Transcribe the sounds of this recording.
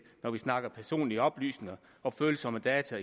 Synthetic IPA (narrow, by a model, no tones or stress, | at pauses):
nɒʋisnɑ̈ɡ̥ɐpʰæɐso̝̰ːnliəɒ̽b̥ly̰ːsne̝ŋɐ | ʔɒ̽føːlsɒ̽məd̥ɛːt͡sʰæi